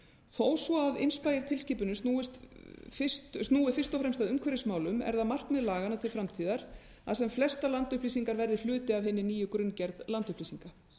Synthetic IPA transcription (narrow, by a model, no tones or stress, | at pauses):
θoːwsvɔavɪ̰nspaːjɪɾ̥t̪ʰɪlsciːpʏnʏst̪nuːɪst̪fɪstst̪nuːɪfɪ̥r̥st̪ɔfɾɛmst̪aðʏmkʰɛɾɪsmaːwlʏmɛ̰ɾðamar̥knmɛðlaːɣanat̪ʰɪlfɾamt̪ʰiːðaɾ̥ | a̰ðsɛmflɛst̪alant̪ʏhpliːsiŋkaɾvɛɾðɪl̥ʏːt̪ɪavhɪnːɪniːjʏkɾʏncɛɾðlant̪ʏhpliːsiŋka